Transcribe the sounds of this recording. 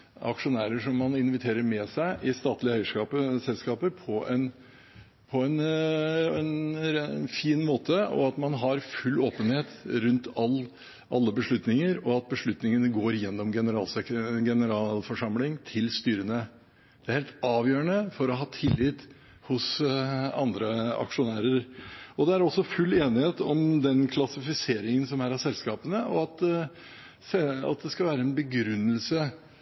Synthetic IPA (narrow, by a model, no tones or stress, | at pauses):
ɑ̰kʂʊnæːɾəʂɔmːɑnɪnʋɪt̪ʰeːɾəɾmɛsæɪʔɪst̪ɑːt̪lɪəœʏəʂkɑːpəsɛlskɑːpəɾpʰɔɛn | pʰɔɛn | ɛn | fiːnmoːt̪əɔ̰ɑt̪mɑnɦɑɾfʉlːoːpənheːt̪ɾʉnt̪ɑl | ʔɑlːəbəʂɭʉt̪nɪŋəɾɔɑt̪̚bəʂɭʉt̪nɪŋənəɡoːɾjɛnːɔmɡɛnəɾɑ̰ːlsɡɛnəɾɑːlfɔʂɑmlɪŋt̪ʰɪlst̪yːɾənə | d̪̥ɛæɾheːlt̪ɑːʋjøːəɳəfɔɾɔɦɑːt̪ʰɪlːɪt̪ | hʊs | ɑnd̪ɾəɑ̰kʂʊnæːɾəɾɔd̪ɛæɾɔsːɔfʉlːeːnɪheːt̪ɔmd̪ɛnkʰlɑsɪfɪseːɾɪŋənsɔmæɾæsɛlskɑːpənəʔɔɑt̪ | sɛɑ̰t̪̚d̪ɛskɑʋæːɾəɛnbəɡɾʉnːəlsə